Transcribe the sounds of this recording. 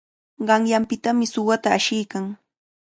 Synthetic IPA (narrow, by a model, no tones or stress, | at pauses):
ɢɑŋjampɪt̪amɪsʊwat̪aːʃɪjkaŋ